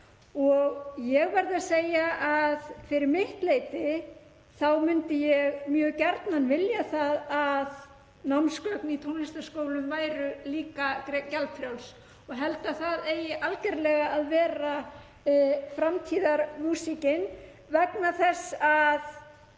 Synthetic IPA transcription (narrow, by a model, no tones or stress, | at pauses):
ɔɣjɛɣvɛjɾðɪaseːjaʔaðfɪɾɪɾmɪht̪leːjt̪ɪ | θawmʏnt̪ɪjɛɣmjœːɣcɛɾt̪nanvɪljaθaðað | nawmskœknit̪ʰownɪst̪ḁskoːwlʏmvaːjɾʏliːkakcalpfɾjawls | ɔɣɦɛlt̪aθaðejɪʔalcɛɾlɛɣaaðvɛːɾa | fɾamt̪ʰiːðaɾmuːsicɪn | vɛknaθɛsːað